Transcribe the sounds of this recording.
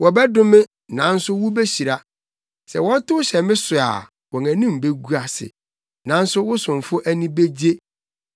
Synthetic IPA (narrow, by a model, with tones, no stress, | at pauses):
wɔ˨bɛ˦dʊ˦mɪ̃˦ | nã˨n̩˦sʊ˦wʊ˦be˦ɕi˨ɾa˦ | sɛ̰˨wɔ̃˦tʊ˦wʊ˦ɕɛ˨mɪ̃˦sʊ˨a̰˨ | wɔ̃˨ŋæ̃˨nĩ˦m˨be˦ɡu˦a˨sɪ̰˨ | nã˨n̩˦sʊ˦wʊ˦sʊ̃˨m˨fʊ˦ʔæ˦nĩ˦be˦d͡ʑe˦